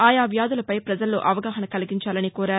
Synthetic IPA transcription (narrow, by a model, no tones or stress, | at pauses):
aːjaːʋjaːd̪ulɐpɐjpɾɐd͡ʒɐlːo̰ːʔɐʋɐɡaːɦɐnɐkɐliɡiɲt͡ʃaːlɐnikuːɾaːɾu